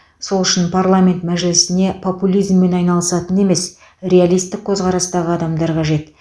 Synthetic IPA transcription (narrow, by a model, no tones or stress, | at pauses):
so̞lˠʏʃɪnpʰarlˠamʲe̞nt̪mæʒɪlɪsɪne̞pʰo̞pulʲˠijzmːe̞nɑjnɑlˠəsɑt̪əne̞me̞s | ɾʲe̞alˠijst̪ːɪk̚kʲʰɵzʁɑɾɑst̪ɑʁəɑd̪ɑmd̪ɑɾqʰɑʒe̞t̪